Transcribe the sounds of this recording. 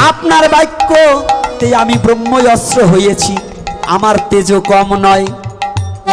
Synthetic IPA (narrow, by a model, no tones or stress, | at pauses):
apnaɾbajkːot̪ejamibɾomːojɔsɾoɦojet͡ɕʰi | a̰maɾt̪ed͡ʑokɔmnɔe